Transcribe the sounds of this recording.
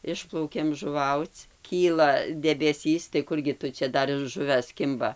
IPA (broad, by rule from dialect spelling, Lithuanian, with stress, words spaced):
ˈɪʃplˠɐʊkʲeːm ʒʊˈʋɐʊt͡s ˈkʲiːlˠɐ dʲɛbʲɛˈsʲiːs tɐɪ ˈkʊrʲɡʲɪ tʊ ˈt͡ʃʲɛ ˈdɐr ɪr ˈʒʊʋʲɛs ˈkʲɪmbɐ